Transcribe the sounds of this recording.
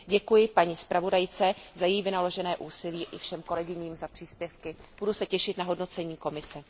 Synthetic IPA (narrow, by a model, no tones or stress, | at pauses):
ɟɛkujɪpaɲispɾavo̞dajt͡sɛzajɛjivɪnalo̞ʒɛnɛːʔuːsɪliːʔɪfʃɛmko̞lɛɡɪɲiːmzapr̝̥iːspjɛfkɪb̥udusɛcɛʃɪt̪naɦo̞dno̞t͡sɛɲiːko̞mɪsɛ